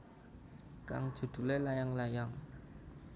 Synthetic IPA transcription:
ka̰ŋd̥ʒ̥ṳd̪̥ṳlelajaŋlajaŋ

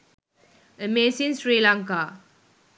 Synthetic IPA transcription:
əmesinsɾilaŋka

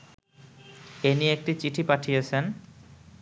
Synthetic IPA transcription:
enieek̚ʈit͡ɕiʈʰipaʈʰijet͡ɕʰen

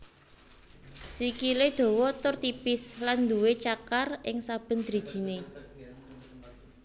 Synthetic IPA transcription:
sikiled̪̥o̤wɔt̪ʊrt̪ipɪsland̪uwet͡ʃakarʔɪŋsab̥ə̤nd̪̥ɾi̤̥ʒ̥i̤ne

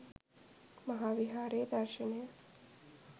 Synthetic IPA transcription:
mɐɦaːʋiɦaːɾeːd̪ɐɾʃɐnejə

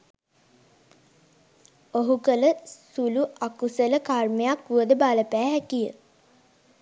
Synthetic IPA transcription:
oɦukələsuluakusələkarmejakuəd̪əbaləpæːɦækijə̰

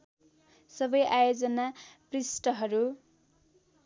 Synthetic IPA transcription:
sʌbʌjʔajod͡zʌnaprisʈʌɦʌɾu

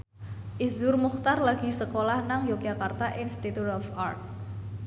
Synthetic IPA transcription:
ʔizʊrmuxt̪arlaɡ̥i̤səkolahnaŋjoɡ̥akart̪aʔinst̪it̪ut̪ɔfart̪̚

